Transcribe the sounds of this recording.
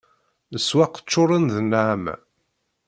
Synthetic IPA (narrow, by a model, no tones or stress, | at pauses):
əswaqə̥t͡ʃːʊɾˤənðənːʕamæ̰